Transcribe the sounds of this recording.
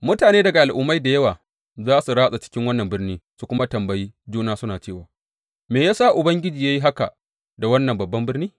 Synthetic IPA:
mʊ˦taː˨neː˦dɐ˨ɡa˨ʔa˨lʔʊ˦mːa˦jda˨jɐ˦waː˨ | zaː˦su˨ɾaː˦sʼa˨t͡ʃɪ̥˦kʲɪ˦ŋwɐ˦nːɐ˨mbɪ˦rniː˦su˨kʷʊ˦ma˦tɐ˨mbɐ˨jiː˦d͡ʒuː˦naː˦sʊ˦naː˨t͡ʃeː˦˨waː˨ | meː˨jaː˦saː˦ʔʊ˨bɐ˦ŋɡʲɪ˦d͡ʒiː˨jaː˦ji˦ɦa˦ka̰˨ | da˨wɐ˦nːɐ˨mbɐ˨bːɐ˦mbɪ˦rniː˦

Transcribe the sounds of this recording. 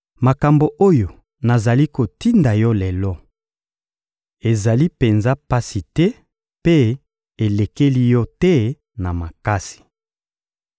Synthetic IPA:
ma˨ka˨mbo˨ʔo˦jo˨ | na˨za˨li˦ko˨ti˦nda˨jɔ˦lɛ˨lɔ˦ | e˨za˨li˦pe˨nza˦pa˦si˨tɛ˦ | pe˦ | e˨le˨ke˦li˦jɔ˦tɛ˦ | na˨ma˨ka˦si̥˨

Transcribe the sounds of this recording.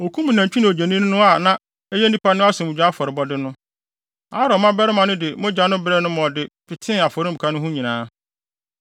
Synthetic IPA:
o˨kʰũ˦mĩ˨nã˨t͡ɕᶣu˦nɪ̃˨o˨d͡ʑa˨nĩ˦ñ˦nʊ̃˦a˨nã˨ | ɛ˦jɛ˦n˦dĩ˦pa˦nʊ̃˦a˦sʊ̃˨mũ˨d͡ʑᶣa˦fɔ˨ɾɪ˨bɔ˦dɪ˦nʊ̃˦ | a˦ɾɔ˨mã˦bɛ˦ɾɪ˦mã˨nʊ̃˦dɪ˨mʊ̃˦d͡ʑa˦nʊ̃˦bɾɛ˦nʊ̃˦mɔ̃˨dɪ˨pʰɪ˨tʰɪ̃˦a˨fɔ˨ɾɪ˦m̩˨kʰa˦nʊ̃˦ɦʊ̃˦ɲĩ˨nãː˦

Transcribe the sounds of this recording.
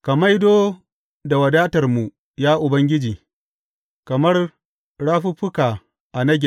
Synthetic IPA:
kɐ˨ma˦jdoː˦ | da˨wɐ˨daː˦tɐ˨rmu˨ | jaː˦ʔʊ˨bɐ˦ŋɡʲɪ˦d͡ʒiː˨ | kɐ˨mɐ˦r | ɽaː˦ɸu˦ɸʊ˦kaː˨ | ʔa˨nɐ˦ɡʲɛ˨

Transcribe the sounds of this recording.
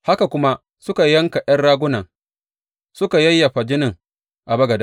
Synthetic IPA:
ha˦ka˨kʷʊ˦ma˦ | sʊ˦ka˨jɐ˦ŋka˨ʔɐ˦nɽaː˦ɡʷʊ˦nɐ˨ŋ | sʊ˦ka˨jɐ˦jːa˨ɸa˨d͡ʒɪ˦nɪ˨ŋ | ʔa˨bɐ˦ɡɐ˨da˦

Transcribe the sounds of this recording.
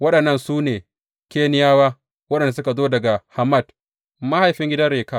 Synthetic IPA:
wɐ˦ɗɐ˨nːɐ˦˨nsuː˦neː˨ | kʲeː˦nɪ˦jaː˦waː˦ | wɐ˦ɗɐ˨n˨da˨s̬ʊ˦ka˨zoː˦dɐ˨ɡa˨ha˨mɐ˦˨d | ma˦ha˨jɸɪ˦ŋɡʲɪ˦dɐ˦ɽeː˨ka˦

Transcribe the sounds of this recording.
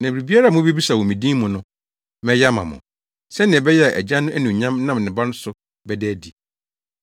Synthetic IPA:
nã˨bɾi˨bi˦a˦ɾa˦˨mʊ̃˦be˦bi˦sa˨wɔ̃˨mĩ˨dĩː˦mʊ̃˨nʊ̃˦ | mɛ̃˦jɛ˦˨mã̰˨mʊ̰̃˨ | sɛ˦nɪ̃˨ɛ˨bɛ˦jɛ˦a˨ʔɛ̰˨d͡ʑa˦nʊ̃˦ʔæ˦nũ˨ɲã˦mnã˦˨m˨nɪ̃˨ba˦nʊ̃˦sʊ˨ | bɛ˨˦dæː˦di˨

